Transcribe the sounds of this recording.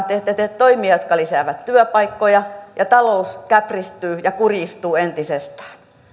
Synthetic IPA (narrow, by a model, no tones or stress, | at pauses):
t̪ˑet̪ːet̪et̪t̪oimiɑjot̪kɑlisæˑʋæt̪t̪yøpɑikːojɑjɑt̪ɑlouskæprist̪yːjɑkurist̪uːent̪isest̪æ̥ː